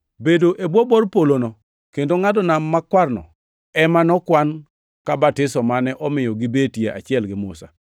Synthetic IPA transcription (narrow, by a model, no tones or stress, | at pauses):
bedoʔebwobɔrpolonɔ | kendoŋadɔnamːakwarnɔ̰ | ɛmanɔkwan | kabatɪsɔmanɛʔɔmɪjɔɡɪbetieʔa̰t͡ʃɪɛlɡɪmʊ̰sa̰